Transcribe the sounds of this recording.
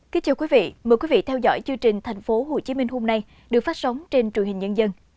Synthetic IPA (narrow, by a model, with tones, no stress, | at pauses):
ki˨˦t͡ɕaː˨˧˩wkwi˨˦vḭ˧˨məː˨˩jkwi˨˦vḭ˧˨t̪ʰɛ˧wzɔ̰˧˥jt͡ɕɨ˧ŋt͡ɕï˨˩ŋ̟t̪ʰa˨˩jŋ̟fo˨˦ɦo˨˧˩t͡ɕi˨˦mï˧ŋ̟ɦo˧mna˧j | ɗɨ˨˩ək̚faː˦˥t̚sə˨˦wŋ͡mt͡ɕe˧nt͡ɕwənhï˨˩ŋ̟ɲə˧nzə˧n